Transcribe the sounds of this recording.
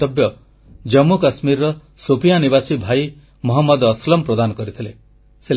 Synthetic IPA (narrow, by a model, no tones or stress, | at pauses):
ɔbjɔ | d͡ʒɔmːukasmiɾɾɔ | sopijanibasibʱai | mɔɦɔmːɔd̪ːslɔmpɾɔd̪anɔkɔɾit̪ʰile | se